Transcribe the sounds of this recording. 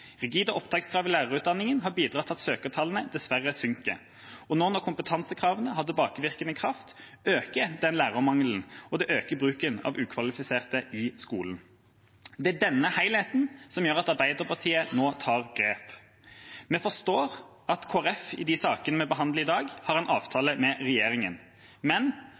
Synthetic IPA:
ʁɛɡiːd̪əʔɔpd̪ɑːkskʰʁɑːʋɪlæːʁəʁʉːt̪̚d̪ɑnːɪŋənɦɑbiːd̪ʁɑt̪ʰːɑt̪søːkət̪ʰɑlnəd̪ɛsʋæʁəsʏŋkə̰ | ɔnɔnɔkʰʊmpət̪ʰɑnsəkʰʁɑːʋənəhɑd̪ɛbɑːkəʋɪʁkənəkʰʁɑft̪øːkəd̪ɛnlæːʁəmɑŋln̩ɔd̪ɛʔøːkəbʁʉːkənɑ̰ːʋʉːkʰʋɑlɪfɪseːʁt̪əʔɪskuːln | d̪ɛæd̪ɛnːəhæɪlheːt̪n̩sɔmjøːʁɑt̪ɑʁbæɪd̪əʁpʰɑʁt̪ʰiːənoːt̪ʰɑːʁɡʁeːp | mɛfɔʁst̪oːʁ | ɑt̪kʰoːæʁɛfɪ̰d̪ɪsɑːkənəmɛbəɦɑnd̪ləɪd̪ɑːɡhɑʁɛnʔɑːʋt̪ʰɑːləmɛʁɛjeːʁɪŋən | mɛn

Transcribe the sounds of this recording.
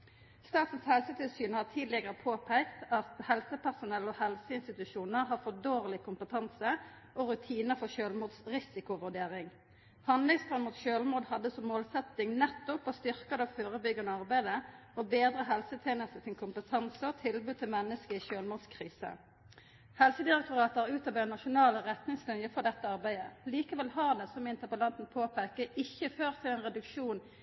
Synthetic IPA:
st̪ɑːt̪n̩shɛlsət̪ʰɪlsyːnhɑːt̪ʰiːd̪lɪɡəʁəpʰoːpʰæɪkt̪ɑt̪hɛlsəpæʁsʊnɛlːɔhɛlsəɪnst̪ɪt̪ʉʃuːnəʁɦɑfɔd̪oːʁlɪkʰʊmpət̪ʰɑnsə | ʔɔʁʉt̪ʰiːnəfɔʃøːlmuːd̪sʁɪsɪkʊʋʉɖeːʁɪŋ | hɑnd̪lɪŋsfʁɑnmuːt̪ʃøːlmuːd̪hɑd̪ːəsɔmːoːlsɛt̪ɪŋnɛt̪ːʊpɔst̪ʏʁkəd̪ɑʋføːʁəbʏɡɑnəɑʁbæɪd̪əɔbeːd̪ʁəɦɛlsət̪ʰjeːnəst̪əsɪnkʰʊmpət̪ʰɑnsəɔt̪ʰɪlbʉːd̪̚t̪ʰɪlmɛnːəskəiʃøːlmuːd̪skʰʁiːsə̰ | hɛlsəd̪ɪʁɛk̚t̪ʊʁɑːt̪əəʁʉːt̪ɑbœʏnɑʃʊnɑːləʁɛt̪nɪŋslʏnjəfɔʁd̪ɛt̪ːəɑʁbæɪəliːkəʋɛlɦɑʁd̪ɛsɔmɪnt̪əpəlɑnt̪n̩pʰoːpekəʔɪçːəføːʁt̪ʰɪlɛːnʁɛd̪ʉkʃuːn

